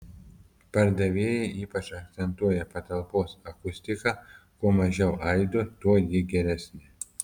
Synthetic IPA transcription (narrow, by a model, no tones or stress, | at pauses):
pɐɾd̪ɐʋʲeːjɛɪʔiːpɐt͡ʃɐk̚t̪sʲɛnt̪uɔjɛpɐt̪ɐlˠpoːsɐkʊsʲt̪ʲɪkɑkuɔmɐʒʲɛʊʔɐɪd̪oːt̪uɔjɪɡʲɛɾʲæsʲnʲɪ